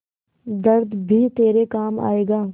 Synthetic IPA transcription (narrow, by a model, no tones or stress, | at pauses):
d̪əɾd̪bʱiːt̪eːɾekaːma̰ːeːɡaː